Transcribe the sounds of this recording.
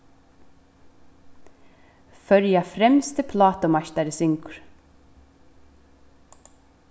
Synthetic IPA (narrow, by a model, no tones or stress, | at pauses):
fœɾjafɾɛmst̪əpʰlaːt̪ɔmaʃt̪aɾɪsɪŋkʏɾ̥